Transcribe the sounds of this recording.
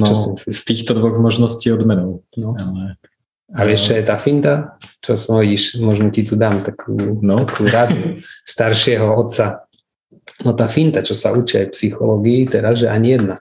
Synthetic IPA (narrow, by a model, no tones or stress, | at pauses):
nɔt͡ʃɔst̪iːxt̪ɔd̪ʋɔɣmɔʒnɔsciːɔd̪mɛnɔʊnɔ | aʋɪɛʃt͡ʃɔjɛt̪aːfint̪at͡ʃɔsmɦɔɟiʃmɔʒnɔcit̪ud̪aːmt̪akʰuːnakʰuːɾad̪ust̪aɾʃɪɛɦɔɔt̪sa | nɔt̪aːfint̪at͡ʃɔsaut͡ʃiajpsixɔlɔɡiːt̪ɛɾazʒɛʔaɲijɛd̪na